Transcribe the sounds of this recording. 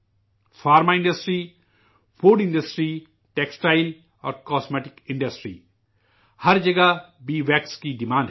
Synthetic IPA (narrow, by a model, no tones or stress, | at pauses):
fʰaːɾmaɪ̃ɳɖəsʈɾi | fʰoːɖɪ̃ɳɖəsʈɾi | ʈeksʈaːɪl | ɔ̰ːɾkɔːsmeːʈɪkɪ̃ɳɖɐsʈɾḭː | hɐɾd͡ʒɐɡabiːʋɛːkskiɖimãːnɖ